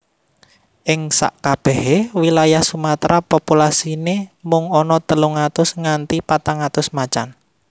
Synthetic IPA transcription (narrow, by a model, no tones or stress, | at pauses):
ʔɪŋsa̰ʔkab̥ɛhewilajahsumat̪ɾapopulasinemʊŋɔnɔt̪əluŋat̪ʊsŋant̪ipat̪aŋat̪ʊsmat͡ʃan